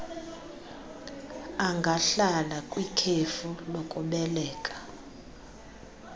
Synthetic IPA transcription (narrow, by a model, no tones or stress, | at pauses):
aŋɡʱaɬalakʼwikʰefulokʼuɓɛlɛːkʼḁ